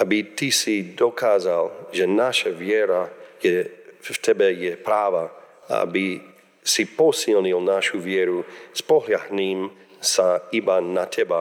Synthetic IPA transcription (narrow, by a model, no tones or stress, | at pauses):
ʔabit̪isid̪ɔkʰaːzalʒɛnaʃavjɛɾajɛt̪ʰɛbɛjɛpɾaːva | aa̰bi | sipɔsilɲilnaʃuvjɛɾuspɔɦljaɦniːm | saibanat̪ʰɛba